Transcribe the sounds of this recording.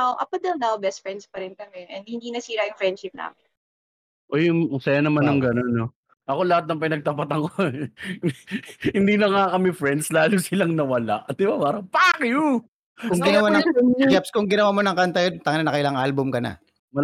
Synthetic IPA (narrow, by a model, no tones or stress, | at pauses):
awʔɐ̰pɐd̪ɛlnawbɛst̪̚fɹɛnd̪spɐɾɪnkɐmɛʔɛnhɪnd̪iːnɐsiːɾɐjʊŋfɹɛnd̪ʃɪp̚na̰ːmɪ | ʔojʊŋʊsɐjanɐmanːɐŋɡɐno̞nːo | ʔɐko̞lɐhat̪̚nɐŋpɪnɐɡ̚t̪ɐpat̪ɐŋo | hɪnd̪iːnɐŋakɐmɛfɾɛnd̪slaːlosɪlaŋnɐwɐlaʔd̪ɪbapaːɾɐŋpakjo | kʊŋɡɪnɐwanɐɛd͡ʒɛpskʊŋɡɪnɐwaːmo̞nɐŋkɐnt̪ɐjont̪ɐŋɐlnɐnɐkɐɪlaŋʔalbʊmkɐna̰ | mɐ